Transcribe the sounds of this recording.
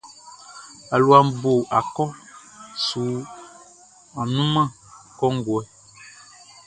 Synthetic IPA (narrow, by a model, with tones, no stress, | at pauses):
a˨lu˨a˨m˦bo˨ʔa˨kɔ˦su˨˦ | a˨nũ˦mã˦˨ | kɔ˦ŋ̩˦ɡwɛ˨